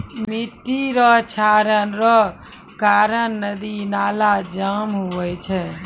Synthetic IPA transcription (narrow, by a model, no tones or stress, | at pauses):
miʈiɾɔt͡ʃʰaɾənɾɔ | kaɾənːəd̪inalad͡ʒamɦuʋɛt͡ʃʰɛ